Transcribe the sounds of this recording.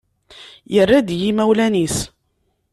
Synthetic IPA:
jərːad̪jimæwlænis

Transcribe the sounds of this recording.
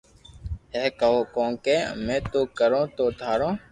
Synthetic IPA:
ɦeːkəoːkõːkeːmẽːt̪oːkəɾõːt̪oːt̪ʰaːɾõː

